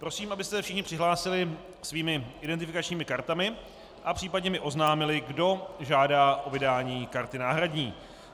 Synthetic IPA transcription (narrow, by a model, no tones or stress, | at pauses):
pɾo̞siːmʔabɪst̪ɛfʃɪxɲɪpr̥ɪɦlaːsɪlɪ | sviːmɪʔɪdɛnt̪ɪfɪkat͡ʃɲiːmɪkaɾt̪amɪ | ʔapr̝̥iːpadɲɛmɪʔo̞znaːmɪlɪɡdo̞ʒaːdaːʔo̞vɪdaːɲiːkaɾt̪ɪnaːɦɾadɲiː